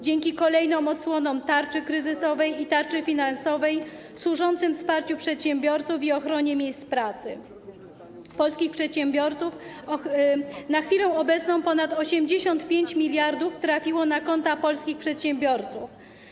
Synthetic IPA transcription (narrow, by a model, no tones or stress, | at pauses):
d͡ʑɛŋkʲikɔlɛjnɔ̃wmɔt̪swɔnɔwt̪aɾt͡ʂɘkɾɘzɘsɔvɛjit̪aɾt͡ʂɘfʲinansɔvɛjfswuʐɔnt̪sɘmfspaɾt͡ɕupʂɛt̪ɕɛmbʲjɔɾt̪sufiɔxɾɔɲɛmʲjejst̪pɾat̪sɘ | pɔlskʲixpʂɛt̪ɕɛmbʲjɔɾt̪suf | naxfʲilɛw̃ɔbɛt̪snɔ̃w̃pɔnat̪ɔɕɛmd͡ʑeɕɔnt̪pʲjeɲt͡ɕmʲilʲjaɾd̪uft̪ɾafʲiwɔnakɔnt̪apɔlskʲixpʂɛt̪ɕɛmbʲjɔɾt̪suf